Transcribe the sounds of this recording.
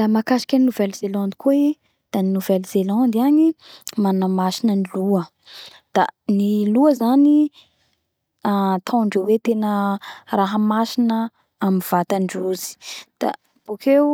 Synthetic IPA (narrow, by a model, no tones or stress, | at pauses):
lamakaʃi̥kʲaninuvɛlzelɔ̃nd̪i̥kui | d̪̥aninuvɛlz̥elɔ̃nd̪animanamasinəniluə | d̪̥aniluəzani | at̪ʰãɳɖ͡ʐewet̪enəraɦəmasinə | amiv̥at̪aɳɖ͡ʐuzi̥d̪̥a̰ | b̥okew